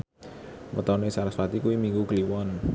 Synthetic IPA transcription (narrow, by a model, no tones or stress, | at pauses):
mə̰t̪ɔnesaɾasfat̪ikuwimiŋɡuɡəliwɔn